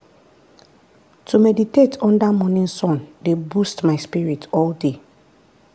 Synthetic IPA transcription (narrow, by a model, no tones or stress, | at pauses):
tʰumɛditetʰɔ̃ndamɔ̃nĩnsɔ̃ndebustmaɪspiɹitʰɔlde